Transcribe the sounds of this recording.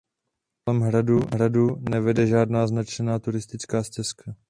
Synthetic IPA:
kolɛmɦɾaduɦɾadunɛvɛdɛʒaːdnaːznat͡ʃɛnaːt̪uɾɪst̪ɪt͡skaːscɛskʰa

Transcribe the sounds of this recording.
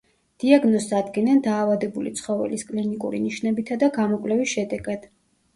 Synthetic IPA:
d̪̥iaɡnɔsad̪ɡɛnand̪aːvad̪ɛbulḭt̪sʰχɔvɛ̰liskʼlinikʼṵɾḭniʃnɛbit̪ʰad̪aɡamɔkʼlɛvisʃɛd̪ɛɡad̪̥

